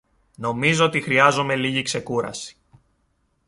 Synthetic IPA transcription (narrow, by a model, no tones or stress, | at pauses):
no̞mizo̞ot̪ixɾiɐzo̞me̞liʝikse̞kuɾɐ̰si̥